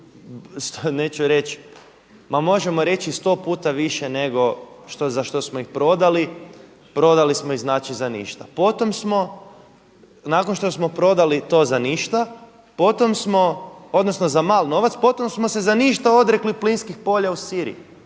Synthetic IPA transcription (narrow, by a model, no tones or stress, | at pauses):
st̪oneːt͡ɕuɾe̞t͡ʃ | mamo̞ʒe̞mo̞ɾe̞t͡ʃist̪o̞puːt̪aʋiʃene̞ɡo̞ʃt̪ozaʃt̪o̞smoixpɾo̞d̪ali | pɾo̞d̪alismoiznaːt͡ʃizanḭːʃt̪apot̪o̞msmo̞ | naːkonʃt̪o̞smo̞pɾo̞d̪alit̪o̞ːzaniʃt̪a | po̞t̪o̞msmo̞od̪nosnozamalno̞ʋat̪spo̞t̪o̞msmosezaniːʃt̪ao̞d̪ɾekliplinskixpo̞ʎausiɾḭji